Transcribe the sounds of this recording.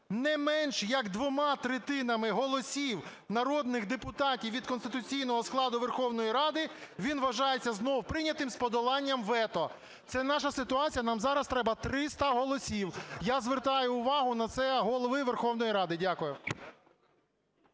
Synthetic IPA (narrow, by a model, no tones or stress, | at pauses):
nɛmɛnʃjɐɡd̪ʋɔmɑt̪ɾɪt̪ɪnɐmɪɦɔlˠɔsʲiw | nɐɾɔd̪nɪxd̪epʊt̪ɑtʲiwʋʲid̪̚kɔnst̪ɪt̪ʊt͡sʲijnɔɦɔsklˠɑd̪ʊʋerxɔwnɔjiɾɑd̪ɪʋʲinʋɐʒɑjet͡sʲːɐznɔwpɾɪnʲɐt̪ɪmspɔd̪ɔlˠɑnʲːɐmʋɛt̪ɔ | t̪sɛnɑʃɐsɪt̪ʊɑt͡sʲijɐnɑmzɑɾɐst̪ɾɛbɐt̪ɾɪst̪ɐɦɔlˠɔsʲiwjazʋert̪ɑjʊːʋɑɦʊnɐt̪sɛɦɔlˠɔʋɪʋerxɔwn̪ɔjiɾɑd̪ɪdʲakʊjʊ